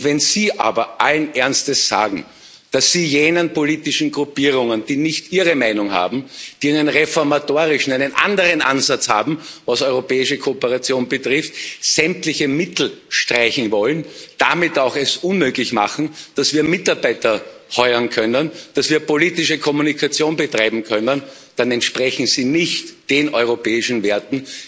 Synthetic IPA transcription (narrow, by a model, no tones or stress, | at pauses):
vɛnziːʔa̰ːbɐʔalənʔɛɐnstəsz̥a̰ːɡŋ̩ | d̥asːiːjeːnənpoliːtɪʃn̩ɡʁʊpiːʁʊŋənd̥iːnɪçtʔiːʁəmæɪnʊŋha̰ːbm̩d̥iːæɪnənʁefɔɐmatoːʁɪʃn̩æɪnənʔã̰ndəʁənʔa̰nzat͡sha̰ːbm̩vasɔʏʁopɛːɪʃəkʰoopəʁat͡sjoːnbətʁɪftz̥ɛm̚tlɪçəmɪtl̩ʃtʁ̥aɪçn̩vɔlənd̥amɪtaʊxɛsʔʊnmøːɡlɪçma̰χn̩d̥asv̥iːɐmɪtaɐbæɪtɐhɔʏɐnkʰœnənd̥asv̥iːɐpoliːtɪʃəkʰɔmunikʰat͡sjoːnbətʁ̥aɪbm̩kʰœnən | d̥anɛntʃpʁɛçn̩ziːnɪçtd̥eːnʔɔʏʁopɛːɪʃn̩veɐtn̩